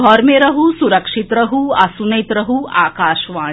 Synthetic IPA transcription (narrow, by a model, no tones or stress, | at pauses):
ɔːɾmeɾɐɦusuɾɐkʂit̪ɾɐɦuɐsunɐjt̪ɾɐɦua̰ːkaːʃʋaː